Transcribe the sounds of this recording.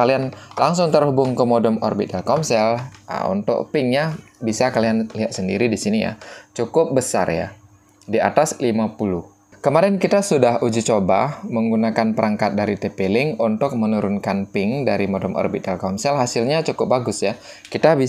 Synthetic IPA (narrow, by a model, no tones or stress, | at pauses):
alianlaŋsʊŋt̪ərhubʊŋkəmɔdɔmɔ̰rbit̪̚dalkɔnsɛl̰ṵnt̪ʊ̰ʔpɪŋɲabisakalianliɦaʔ̪̚səndḭɾidisinija̰t͡ʃukʊp̚bəsa̰rja̰ | dia̰t̪aslimapulʊh | kəmaɾɛnkit̪asudahud͡ʒit͡ʃobaməŋɡunakanpəɾaŋkat̪̚daɾit̪epelɪŋunt̪ʊk̚mənuɾʊnkanpɪŋdaɾimɔdɔmʔɔ̰rbit̪̚dalkɔnsɛlɦasɪlɲat͡ʃukʊp̚baɡʊsja | kit̪abi